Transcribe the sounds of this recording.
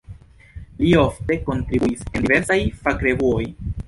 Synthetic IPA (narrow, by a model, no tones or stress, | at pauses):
lio̞fte̞ko̞ntɾibuise̞ndive̞ɾsajfakɾe̞vuo̞j